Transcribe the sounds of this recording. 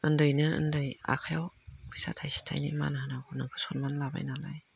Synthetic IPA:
ɯndɯjnɯɯ̰ndɯja̰kʰajawpʰisa̰tʰajsi̥tʰa̰jnḭma̰naɦanaɡunɯŋkʰɯ̥sɔnmanlaba̰jnalaj

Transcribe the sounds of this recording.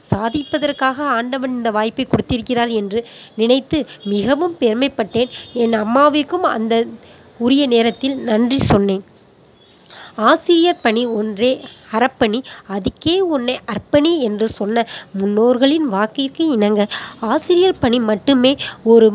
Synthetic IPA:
saːðɪpːɐðɐrkaːɣɐaːɳɖɐʋɐnɪnd̪ɐʋaːjpːɐɪkɔɽɯt̪ːɪɾɯkːɪraːɾɛndrɯnɪnɐɪt̪ːɯmɪɣɐʋɯmpɛɾmɐɪpːɐʈːeːnɛnɐmːaːʋɪrkɯmɐ̰nd̪ɐ | ʊɾɪjɐneːɾɐt̪ːɪlnɐndrisɔnːeːn | aːsɪɾɪjɐɾpɐɳiɔndreːɐɾɐpːɐɳiɐðɪkːeːɔnːɐʔɐrpɐniɛndrɯsɔnːɐmʊnːoːɾɣɐɭɪnʋaːkɪrkɯɪnɐŋɡɐaːsɪɾɪjɐɾpɐɳimɐʈːɯmeːɔɾɯ

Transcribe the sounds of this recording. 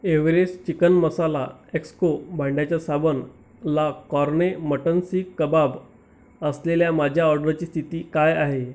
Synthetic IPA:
eʋɾest͡ɕikənməsalaekskobʱaɳɖjat͡ɕjasabən | lakɔɾɳeməʈənsiːkːəbab | əsleljamad͡ʑʱjaɔɾɖəɾt͡ɕiːst̪ʰit̪iːkajaɦe

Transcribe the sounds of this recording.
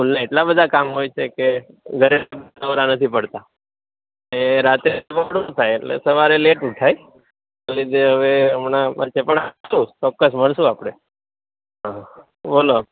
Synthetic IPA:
ulnaeʈlabəd̪ʱakamɦojt͡ʃʰeke | ɡʱəɾebəʋɾanət̪ʰipəɽt̪a | neɾat̪ɾepəɽut̪ʰajeʈlḛsəʋaɾeleʈuʈʰaj | alid̪eɦəʋeəmnapət͡ʃʰepəɳaũt͡ʃɔkːəsməɳʃũapɽ̃e | ɦã | bolo

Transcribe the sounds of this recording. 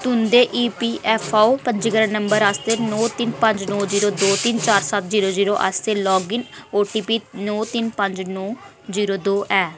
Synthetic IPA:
t̪ʊnd̪eːʔiːpiːʔɛːpʰaːoːpəɲd͡ʒiɡəɾãːnəmbəɾast̪eːnɔːt̪ɪnpəɲd͡ʒnɔːziːɾoːd̪oːt̪ɪnt͡ʃaːɾsət̪ʰziːɾoːziːɾoːʔə̰st̪eːlɔːɡɪnoːʈiːpiːnɔːt̪ɪnpəɲd͡ʒnɔː | ziːɾoːd̪oːʔɛː

